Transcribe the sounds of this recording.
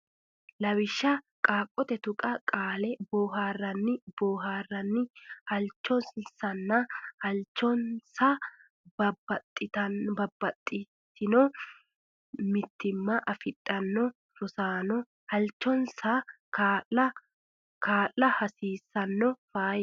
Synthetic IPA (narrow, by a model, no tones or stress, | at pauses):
lɐwɪʃːɐ | kʼaːkʼːɔt̪ɛt̪ʊkʼɐkʼaːlɛboːɦaːrːɐnːɪboːɦaːrːɐnːɪhɐlt͡ʃːɔnssɐnːɐhɐlt͡ʃːɔnsa | bɐbɐt̪ʼːɪt̪ɐnbɐbːɐt̪ʼːɪ | t̪ːɪnɔ | mɪt̪ːɪmːɐʔɐfɪᶑʼːɐnːɔ | ɾʊsaːnɔ | hɐlt͡ʃːɔnsɐ | kːɐ | kaːlːɐhɐsiːsːɐnːɔfaːj